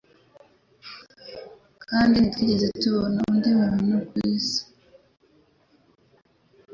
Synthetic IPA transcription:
kʰaːndinitwiːɟezetuβonaundimuɾinukwiːzi̥

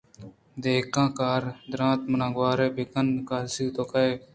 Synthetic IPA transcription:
d̪eːkãːkaːɾd̪ʊɾãːt̪mənãːɡwaːɾeːbɪkənkaːlsiːt̪oːkaeː

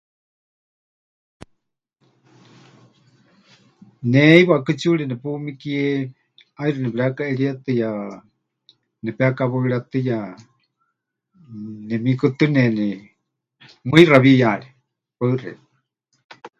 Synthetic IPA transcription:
nɛiβaʔkɨt͡ʃuɺɛnɛpumikiɛ | ajɾɨnɛpɾakaʔɛɺiat̪ɨja | nɛpɛakaβaiɺat̪ɨja | nɛmikɨt̪ɨnɛnɛ | mɨiraβijaɺɛ | paɨrɛ̰

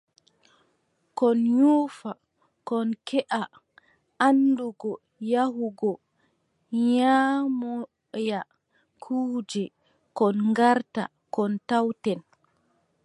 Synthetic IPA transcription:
kɔnjuːfa | kɔnkɛʔa | ʔanːduɡɔ | jahuɡɔ | ɲaːmɔ | ja | kʰuːd͡ʒɛ | kɔnŋɡaɾta̰ | kɔntawtɛn

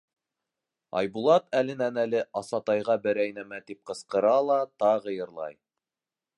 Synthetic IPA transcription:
ɑ̰jbulˠɑt̪ælɘ̆nænælɘʔɑsɑt̪ɑjʁɑbɘ̆ɾæjnæmæt̪ip̚qɤ̆sqɤ̆ɾɑlˠɑt̪ɑʁɤ̆jɤ̆ɾlˠɑ̰j

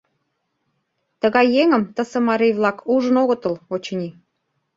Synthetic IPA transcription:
t̪əɣɑjːeŋə̆mt̪ə̆sĕmɑɾejβlɑkʰuʒə̆noɣə̆t̪ə̆lot͡ɕɤ̆nʲi

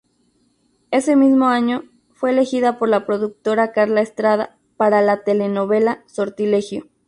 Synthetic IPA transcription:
e̞se̞mizmo̞aɲo̞ | fwe̞ːle̞xiðapo̞ɾlapɾo̞ðuk̚t̪o̞ɾakaɾlaest̪ɾað̞a̰ | paɾalat̪e̞le̞no̞βe̞laso̞ɾt̪ile̞xjo

